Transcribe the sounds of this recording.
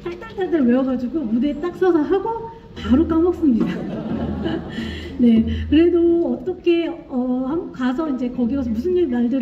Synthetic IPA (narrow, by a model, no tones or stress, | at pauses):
taɭt͈aɭtaɭtaweʌɡad͡ʑiɡomude̞t͈ak̚s͈ʌsʰʌɦaɡo | paɾuk͈amʌk̚s͈ɯmɲida | ne̞kɯɾe̞doʌt͈ʌkʰe̞ʌhamkas̬ʰʌind͡ʑe̞kʌɡiosʰʌmusʰɯnd͡ʑiɾimaɭdɯɾ